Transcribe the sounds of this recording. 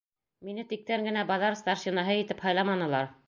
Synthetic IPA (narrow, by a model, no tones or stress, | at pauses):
minɘt̪ik̚t̪æŋɡɘ̆næbɑðɑɾst̪ɑɾʃinɑɦɤjit̪ɘphɑjlˠɑmɑnɤ̆lˠɑɾ